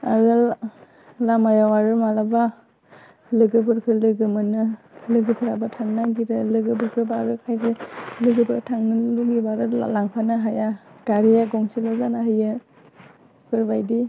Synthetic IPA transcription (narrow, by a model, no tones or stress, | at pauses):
a̰ɾɯ | lamajawaɾɯmalaba | lɯɡɯbɯɾkʰɯɾlɯɡɯmɯnɯlɯɡɯpʰɯɾabatʰaŋnaɡiɾɯlɯɡɯbɯɾkʰɯbaɾɯkʰajzelɯɡɯbʰɯɾtʰaŋnɯluɡibaɾɯa̰laŋpʰanɯɦajaɡ̥aɾijaɡɔŋsilɔɡanahɯjɯ | kʰɯɾbajdi